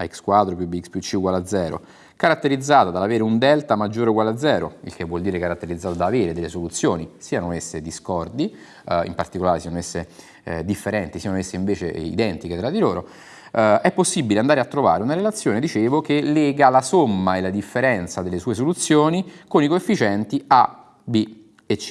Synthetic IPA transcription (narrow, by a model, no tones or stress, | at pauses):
aɛkskwat̪ːɾopjubikspjut͡ʃːikwalad̪zɛːɾo̰ | kaɾat̪ːeɾid̪zːaːt̪ad̪alaveːɾeund̪ɛlt̪amad͡ʒːoːɾekwalad̪zːɛːɾo̰ḭlkevːwɔld̪iːɾekaɾat̪ːeɾid̪zːaːt̪ad̪aːveːɾed̪elːesolut̪sːjoːnisiːanoesːed̪iskɔrd̪i | ḭmpart̪ikolaːɾesiːanoɛsːe | d̪ifːeɾɛnt̪isiːanoesːeiɱveːt͡ʃḛḭd̪ɛnt̪iket̪ɾad̪ːiloːɾo | ɛpːosːibileand̪aːɾeat̪ːɾova̰ːɾeunaɾelat̪sːjoːned̪it͡ʃeːvokelːɛːɡalasomːaelad̪ifːeɾɛnt̪sad̪elːesuːes̬olut̪sːjoːnikonikoefːit͡ʃɛnt̪ia | bi | et͡ʃːi